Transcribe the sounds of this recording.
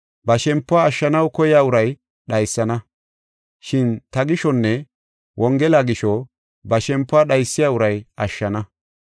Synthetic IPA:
bɐʃɛmpːʊaːʃːɐnɐwkɔjaːʊɾɐj | ɗɐjsːɐnɐ | ʃɪnt̪ɐɡɪʃɔnːɛ | wʔɔŋɡɛlaɡɪʃɔ | bɐʃɛmpːʊaːɗɐjsːɪjaːʊɾɐjɐʃːɐnɐ

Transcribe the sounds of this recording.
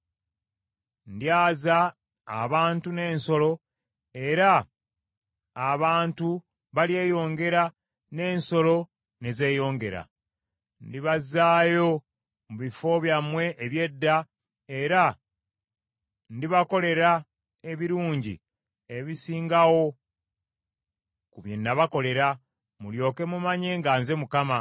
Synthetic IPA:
ndjaːza̰ː | βaːntune̞ːnso̞lo̞ | e̞ɾa | βaːntu | βalje̞ːjo̞ːŋɡe̞ɾa | ne̞ːnso̞lo̞ | ne̞ze̞jo̞ːŋɡe̞̰ɾa̰ | ndiβazaːjo̞ | muβifo̞βjamwe̞ʔːβje̞dːa | e̞ɾa | ndiβako̞le̞ɾa | e̞βiɾuːɲɟḭ | eβisiːŋɡawo̞ | kuβjenːaβako̞le̞ɾa | muljo̞ːke̞mumaɲe̞ːŋɡaːnze̞mukama

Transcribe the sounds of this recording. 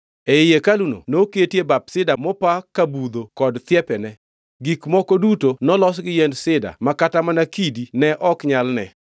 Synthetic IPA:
eɪjekaluno̰noketjebap̚sɪdamɔpakabud̪okɔdt̪jɛpɛnɛ | ɡikmɔkodutonɔlɔs̬ɡɪjɛndsɪda̰makatamanakidinɛʔɔkɲalnɛ

